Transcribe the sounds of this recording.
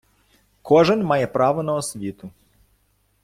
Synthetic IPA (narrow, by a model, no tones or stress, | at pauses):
kʰoʒɛnmajɛpɾaːʋɔnaɔsʋʲit̪u